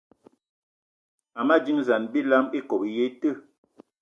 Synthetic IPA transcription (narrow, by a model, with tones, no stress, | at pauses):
a˨ma˦d͡ʒi˦ŋza˨nbi˦la˦me˦ko˨bje˦tə˦˨